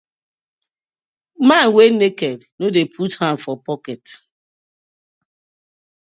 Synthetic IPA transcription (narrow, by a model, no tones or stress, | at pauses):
manwenekɛdnodepʰuthãmfɔpɔkɛt